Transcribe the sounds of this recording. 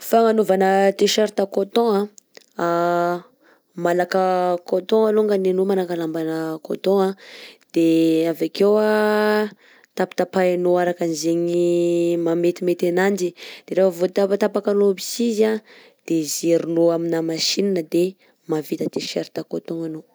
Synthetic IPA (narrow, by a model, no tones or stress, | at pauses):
faŋanovanət̪eʃaɾt̪akot̪ɔ̃a | a | malakəkot̪ɔ̃aloŋɡanenomalakalambanəko̰t̪oɔ̃ad̪̥eavakewa | t̪api̥t̪apaanoaɾakanizeɲimamet̪imet̪anand͡ʒid̪̥eɾefəvot̪apt̪apakanobisiza | d̪̥ezeɾunoaminamaʃininəd̪e | mavit̪ət̪eʃeɾt̪akot̪ɔ̃ŋano